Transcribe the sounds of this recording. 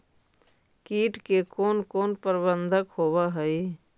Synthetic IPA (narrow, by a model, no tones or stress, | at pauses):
kiːʈkekoːnkoːnpəɾbə̃nd̪ʱəkhoːwaɦɛi